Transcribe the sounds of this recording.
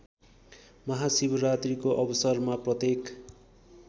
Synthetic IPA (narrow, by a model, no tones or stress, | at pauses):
mʌɦasibʌɾat̪rikoʔʌbʌsʌrmaprʌt̪ek